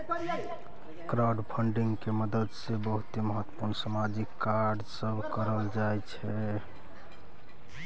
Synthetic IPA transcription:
kɾawɖpʰəɳɖiŋɡkeməd̪əd̪sebəɦut̪eməɦət̪ːə̥puɾnsamad͡ʒikːaɾɖsəbʱkəɾəld͡ʒajt͡ʃʰɛ

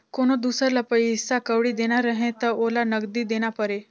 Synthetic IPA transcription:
koɽ̃od̪usəɾlapəjɦisːakəʋɽiːd̪eɽ̃aɾəɦẽt̪əɾolanəɡd̪iːd̪eɽ̃apəɾe

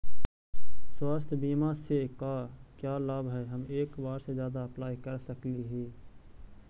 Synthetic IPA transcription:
swaːst̪ʰbiːmasekaːkjaːlabɦɛɦəmeːkbaːɾsezjaːd̪aɐplaːikəɾsəkliɦiː

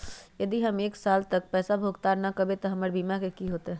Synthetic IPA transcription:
jəd̪iɦəmeːksalt̪ək̚pɛːsabʱoɡt̪aɾnəkəbet̪ɔɦəməɾbimakekiɦoːt̪e

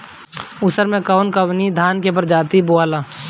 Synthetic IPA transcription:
ʊsəɾmẽkaʊnkəʋnid̪ʱaːnkepəɾd͡ʒaːt̪iboaːlaː

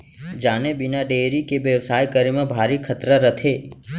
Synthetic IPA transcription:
d͡ʒaːnebɪnaɖeːɾikeʋjəʋsaːjkəɾimẽbʱaːɾikʰət̪ɾəɾət̪ʰe

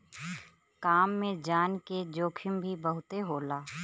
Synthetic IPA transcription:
kaːmːẽd͡ʒaːnked͡ʒoːkʰɪmbʱibəɦʊt̪eɦoːlaː

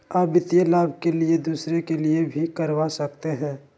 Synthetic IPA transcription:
aːbɪt̪ijəlaːbʱkelied̪uːsɾekeliebʱikəɾʋasɐk̚t̪eɦɛ̃ː

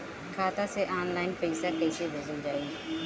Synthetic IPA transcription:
kʰaːt̪ãːseːʔaːnlaːɪnpəisaːkeːseːʋeːd͡ʒənd͡ʒaːiː

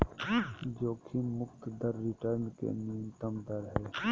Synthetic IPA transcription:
d͡ʒoːkʰimʊkt̪d̪əɾːɪʈəɾnkḛniːnt̪əmd̪əɾɦɛː

